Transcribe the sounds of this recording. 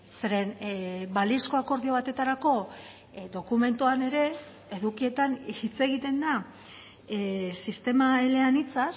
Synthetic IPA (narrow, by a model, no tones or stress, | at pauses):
seɾe̞nbalisko̞ako̞ɾðio̞βat̪e̞t̪aɾako̞ | d̪o̞kume̞nt̪uane̞ɾe̞ː | ðukie̞t̪anit͡se̞ɣ̞it̪e̞nd̪a | sist̪e̞maele̞anit͡sa